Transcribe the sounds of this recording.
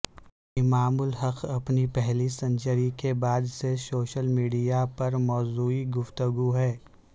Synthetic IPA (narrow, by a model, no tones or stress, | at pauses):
ɪmaːmʊlɦɐqʰɐpnipɛɦlisɐ̃ɲt͡ʃəɾikebaːd̪sesoːʃəlmiːɖijapɐɾmɔːzuːiɡʊft̪əɡuɦɛː